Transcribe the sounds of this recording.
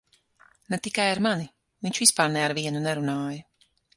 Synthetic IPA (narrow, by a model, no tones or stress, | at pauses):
nɛt̪ikajaɾmani | viɲʲt͡ʃvʲispaːɾnɛaɾviɛnunɛɾunaːja